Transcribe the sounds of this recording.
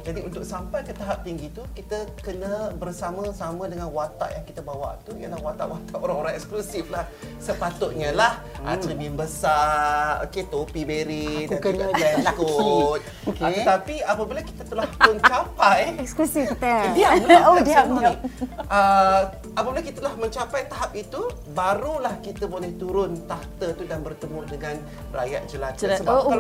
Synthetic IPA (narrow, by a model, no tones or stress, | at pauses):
d͡ʒadiunt̪ʊk̚sampajkət̪aɦap̚t̪iŋɡit̪ukit̪əkənə̃bərsamə̃samə̃dəŋanwat̪a̰ʔjaŋkit̪abawa̰ʔt̪uiəlahwat̪a̰ʔwat̪aʔoɾaŋoɾãŋɛksklusiflah | səpat̪ʊʔ̪̚ɲəlah | a̰ɾiminbəsao̰ket̪opibeɾitaankt̪̚ | okəət̪apiapabilakit̪at̪əlahpʊnt͡ʃapajɛksklusift̪dianuaamnəʔə | apabilakit̪əlahmə̃ɲt͡ʃapajt̪aɦap̚it̪u | baɾulahkit̪abolɛht̪uɾʊnt̪aht̪ət̪udanbərt̪əmudəŋan | ra̰ja̰ʔ̚d͡ʒəlat̪səba